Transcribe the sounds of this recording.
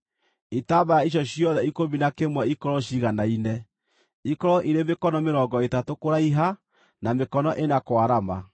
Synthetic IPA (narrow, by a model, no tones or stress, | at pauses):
etabajaiʃ̬ɔɕjɔðɛikominakemwaikɔɾɔʃiɣanainɛ | ikɔɾɔʔiɾemekɔnɔmeɾɔŋɡɔetatokoɾaiɦa | namekɔnɔʔenakwaɾama̰